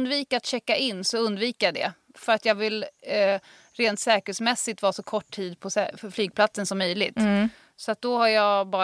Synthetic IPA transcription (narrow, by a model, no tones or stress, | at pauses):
nd̪viːkat̪ɕɛkːaʔɪnːsɔɵnd̪viːkəjad̪ɛ̰ | fœɾat̪jɑːɡvɪl | ɾeːnt̪sɛːkəɛlsmɛsːɪt̪vɑːsɔkʰɔʈːʰiːd̪pʰɔsɛflyːɡ̚pʰlat̪sənsɔmːœjlɪɡt̪ | sɔat̪̚d̪ɔhaɾjɑbɑː